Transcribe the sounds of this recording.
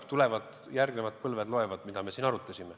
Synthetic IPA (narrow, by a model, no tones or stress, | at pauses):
t̪ule̞vɑd̪̥ | jærɡne̞mɑd̪̥̚pɤlved̪lo̞e̞vɑd̪̥mid̪̥ɑme̞siːnɑɾut̪ːˑɑsʲime